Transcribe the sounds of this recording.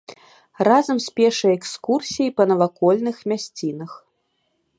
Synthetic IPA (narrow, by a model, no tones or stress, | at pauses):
razɐmsʲpʲɛʂɐjɛkskursʲijipɐnɐvakɔlʲnɨxmʲasʲt͡sʲinɐx